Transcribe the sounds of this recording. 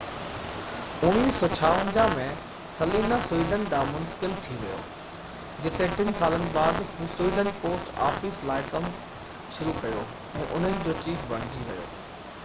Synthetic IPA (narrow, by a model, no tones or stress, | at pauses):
ʊniːsːɔːt͡ɕʰaːʋənd͡ʑãmẽ | sɐliːnasʊiːɖʱən̆d̪amʊ̃nt̪ə̥kɪlt̪ʰiʋɐjo̰ː | d͡ʑɪt̪eʈɪnsaːlənɪ̆baːd̪ɦũːsʊiːɖ̪ənpoːsʈa̰ːfislaːɪkɐm | ʃʊɾukɐjo | ɛ̃ːʔʊn̤ənɪ̆d͡ʑoːt͡ɕiːfʋɐɽ̤ɖ̪ʱiʋɐ̰jo̰ː